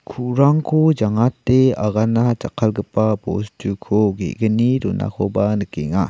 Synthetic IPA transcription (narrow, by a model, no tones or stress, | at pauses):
kʰuɾaŋkʰod͡ʒaŋatːeaɣanat͡ʃakʰːalɡəpːabo̰stukʰoɡḛɡənidonʔa̰kʰobanəkiŋa